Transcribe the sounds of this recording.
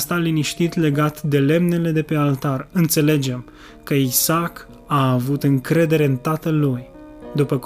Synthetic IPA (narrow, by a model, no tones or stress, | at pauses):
st̪aliniʃt̪it̪le̞ɡat̪d̪e̞le̞mne̞le̞d̪e̞pe̞alt̪arɨnt̪se̞le̞d͡ʒe̞m | kəisak | aːvut̪ɨŋkɾe̞d̪e̞ɾe̞ɨnt̪at̪əluj | d̪upək